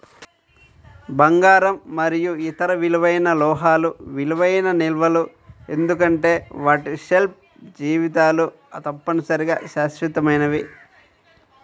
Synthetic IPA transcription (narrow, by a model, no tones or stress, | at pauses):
bɐŋɡaːɾɐmːɐɾijuit̪ɐɾɐʋiluʋɐjnɐlɔːɦaːluʋiluʋɐjnɐnilʋɐlu | e̞nd̪uk̬ɐɳʈe̞ːʋaːʈiʃelp̚ | d͡ʒiːʋit̪aːlu | t̪ɐpːɐnɐsɐɾiɡa̰ːʃaːʃɾit̪ɐmɐjnɐʋi